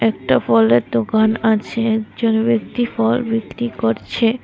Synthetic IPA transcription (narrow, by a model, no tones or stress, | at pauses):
ɛk̚ʈafɔleɾd̪okanat͡ɕʰeɛkd͡ʑonbekt̪ifɔlbikɾikoɾt͡ɕʰe